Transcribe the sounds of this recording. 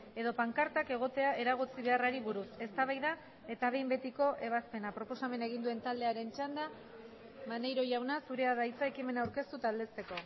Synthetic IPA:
e̞ðo̞paŋkaɾt̪ake̞ɣ̞o̞t̪e̞aʔe̞ɾaɣ̞ot͡siβ̞e̞araɾiβuɾuse̞st̪aβajða | e̞t̪aβe̞jmbe̞t̪iko̞ʔe̞β̞aspe̞napɾo̞po̞same̞nae̞ɣ̞ind̪ue̞nt̪ald̪e̞aɾe̞nt͡ʃand̪a | mane̞jɾo̞ʝawnasuɾe̞aðait͡sae̞kime̞nauwɾke̞st̪ut̪ald̪e̞st̪e̞ko̞

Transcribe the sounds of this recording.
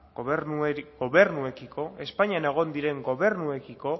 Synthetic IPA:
ɡoβe̞ɾnue̞kiko̞e̞spaɲiane̞ɣ̞o̞nd̪iɾe̞ŋɡo̞βe̞ɾnue̞kiko̞

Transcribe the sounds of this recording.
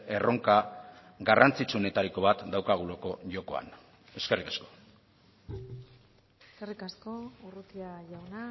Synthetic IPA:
eroŋka | ɡarant͡sit͡ʃuone̞t̪aɾiko̞βat̪d̪awkaɣ̞uloko̞ʝo̞ko̞a̰n | e̞ske̞rikasko̞̥ | eeskerikasko̞urut̪iaʝawna

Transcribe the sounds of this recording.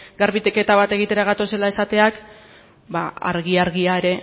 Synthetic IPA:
ɡaɾβit̪eke̞t̪aβat̪e̞ɣ̞it̪e̞ɾaɣat̪o̞se̞lae̞sat̪e̞ak | baa̰ɾɣiaɾɣiae̞ɾe̞

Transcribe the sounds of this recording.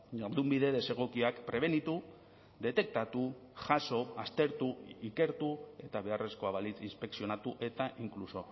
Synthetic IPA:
ɲaɾðumbiðe̞ðese̞ɣ̞o̞kiakpɾe̞β̞e̞nit̪u | d̪e̞t̪e̞k̚t̪at̪u | ʝaso̞ast̪e̞ɾt̪uike̞ɾt̪ue̞t̪aβe̞are̞sko̞aβalit͡sinspe̞ksio̞nat̪uʔe̞t̪aʔiŋkluso̞

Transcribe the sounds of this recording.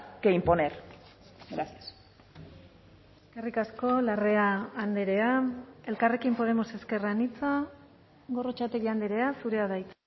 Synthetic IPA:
keimponeɾ | ɡɾasias | eskerikasko̞lare̞aːnd̪eɾe̞ae̞lkare̞kimpo̞ð̞e̞mo̞se̞ske̞ranit͡sa | ɣo̞ro̞t͡ʃat̪eɾiand̪eɾe̞asuɾe̞aðajt͡s

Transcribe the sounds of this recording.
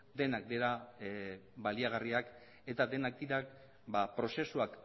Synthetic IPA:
d̪e̞nak̚d̪eɾa | βaliaɣ̞ariak | e̞t̪aðe̞nak̚d̪iɾak | bapɾo̞se̞suak

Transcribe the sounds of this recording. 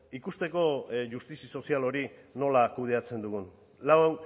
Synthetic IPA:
ikust̪e̞ko̞ʝust̪isiso̞sialo̞ɾino̞lakuð̞e̞at͡se̞nd̪uɣun | lawewn

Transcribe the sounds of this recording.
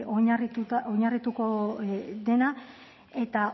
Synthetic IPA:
oɲarit̪ut̪oɲarit̪uko̞ | ðe̞na | e̞t̪a

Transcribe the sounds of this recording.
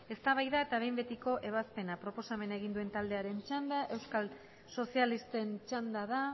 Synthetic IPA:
e̞st̪aβajðae̞t̪aβe̞jmbe̞t̪iko̞ʔe̞β̞aspe̞napɾo̞po̞same̞naeɣ̞ind̪ue̞nt̪ald̪e̞aɾe̞nt͡ʃand̪aʔe̞wskal | so̞sialist̪e̞nt͡ʃand̪aða

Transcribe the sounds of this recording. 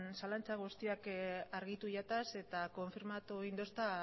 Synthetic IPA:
nsalant͡saɣ̞ust̪iakaɾɣit̪uʝat̪ase̞t̪ako̞ɱfiɾmat̪oind̪o̞st̪a

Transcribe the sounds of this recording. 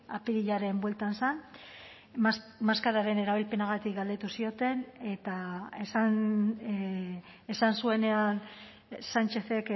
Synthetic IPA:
apiðiʎaɾe̞mbwe̞lt̪ansan | maskaɾaɾe̞ne̞ɾaβ̞ilpe̞naɣat̪ikɡald̪et̪usio̞t̪e̞ne̞t̪aesan | esansue̞ne̞an | sant͡ʃe̞θe̞k

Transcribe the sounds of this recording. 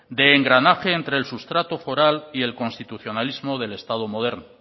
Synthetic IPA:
d̪e̞ːŋɡɾanaxe̞ːnt̪ɾe̞ːlsust̪ɾat̪ofo̞ɾalie̞lko̞nst̪it̪uθjo̞nalizmo̞ð̞e̞le̞st̪að̞o̞mo̞ð̞e̞ɾno

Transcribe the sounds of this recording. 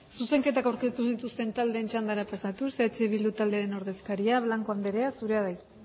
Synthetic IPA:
suse̞ŋke̞t̪akawɾke̞st̪usit̪ust̪e̞nt̪ald̪e̞ːnt͡ʃand̪aɾapasat̪uset͡ʃeβild̪ut̪ald̪e̞aɾe̞no̞ɾðe̞skaɾiaβlaŋko̞and̪e̞ɾe̞asuɾe̞aðaj

